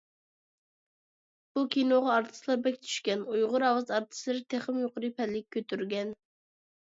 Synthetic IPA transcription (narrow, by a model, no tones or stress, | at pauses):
b̥ukʲʰinoʁɑɑɾt̪ʰɨ̥slˠɑɾbɛkʲt̪ʰy̥ʃkʲɛnujʁʊɾɑwɑzɑɾt̪ʰɨ̥slˠɨɾt̪ʰeχɪmjoqəɾɨpʰɛlːɪk̚ʲʰːøt̪ʰyɾɡʲɛn